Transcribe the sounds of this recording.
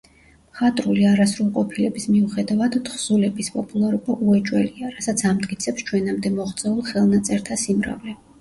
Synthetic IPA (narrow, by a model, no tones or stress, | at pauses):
mχat̪ʼɾuliaɾasɾulˠqʼɔpʰilɛbismiuχɛd̪avad̪χz̥ulɛbispʼɔpʼulˠaɾubaʔuɛt͡ʃʼwɛliaɾasat̪sʰamd̪kʼit̪sʰɛpst͡ʃʰwɛnamd̪ɛmɔχt̪sʼɛulˠχɛlˠnat̪sʼɛɾt̪ʰasimɾa̰vlɛ